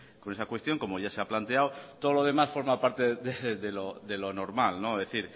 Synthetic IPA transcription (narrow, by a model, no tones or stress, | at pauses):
ko̞ne̞sakwe̞st̪jo̞ŋko̞mo̞ʝaseaplant̪e̞awt̪oðolo̞ð̞e̞masfo̞ɾmapaɾt̪e̞ðeðe̞loðe̞lono̞ɾmalno̞ðeθiɾ